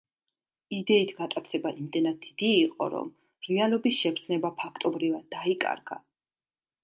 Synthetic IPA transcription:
id̪ɛit̪ʰɡat̪ʼat̪sʰɛbaʔimd̪ɛnad̪̚id̪̥iːqʼɔ̰ɾɔ̰m | ɾialˠɔbisʃɛpʰɾt̪sʰnɛbapʰakʰt̪ʼɔbɾivad̪ːaikʼa̰ɾɡa̰

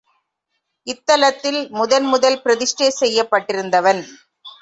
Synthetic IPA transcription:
ɪt̪ːɐlɐt̪ːɪlmʊðɐnmʊðɐlpɪɾɐðɪʂʈeːsɛjːɐpːɐʈːɪɾɯnd̪ɐʋɐn

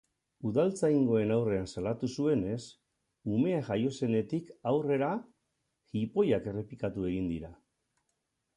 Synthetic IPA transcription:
uðalt͡sajŋɡo̞e̞nawre̞ansalat̪usue̞ne̞s | ume̞aʝajo̞se̞ne̞t̪ikawre̞ɾa | xipo̞jake̞re̞pikat̪ue̞ɣ̞ind̪iɾa

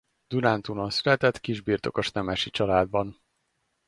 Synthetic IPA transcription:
d̪̥unant̪unonsylɛt̪ɛt̪kiʒbiːrt̪o̞koʃnɛmɛʃit͡ʃɒlaːd̪bɒn

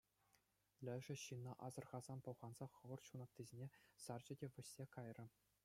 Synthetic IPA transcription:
lʲɘ̆ʐɘ̆ɕinːɑʔɑzɤ̆rʁɑzɑnpŏwʁɑnz̥ɑχɤ̆ʋɤ̆rɕunɑt̪t̪ʲːizʲenʲesɑrd͡ʑɘ̆dʲeʋʲɘ̆ɕːʲekɑjrɤ̆

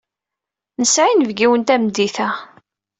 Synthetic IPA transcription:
nəsʕinəvɡiwənt̪æmd̪iθæ

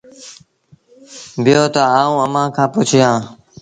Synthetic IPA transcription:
bɪjoːt̪əaːũːəmãːkʰãːpʊt͡ʃʰjãː

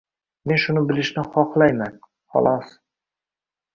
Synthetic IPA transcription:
me̞nʃʊnɪbɪlɪʃnɪχɒqlˠajman | χɒ̰lˠɒs

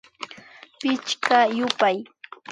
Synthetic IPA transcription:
pɪt͡ʃkajʊpaj

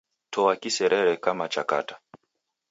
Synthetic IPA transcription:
tʰɔakisɛɾʔɛɾɛkamat͡ʃaka̰tḁ

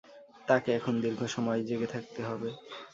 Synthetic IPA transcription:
t̪akeɛkʰond̪iɾɡʱoʃɔmɔed͡ʑeɡet̪ʰak̚t̪eɦɔbe

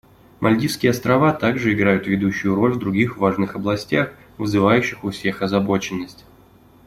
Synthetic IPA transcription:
mʔɐlʲdʲiskʲɪjəɐst̪ɾɐvat̪aɡʐɨɪɡɾajʊt̪vʲɪd̪uɕːʊjʊɾo̞lʲvd̪ɾʊɡʲixvaʐnɨxɐblˠɐsʲtʲax | vɨzɨvajʉɕːɪxʊfsʲe̞xɐzɐbo̞t͡ɕɪnːəsʲtʲ

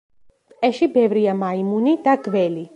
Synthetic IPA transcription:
ɛʃibɛvɾiamaimunid̪aɡvɛli

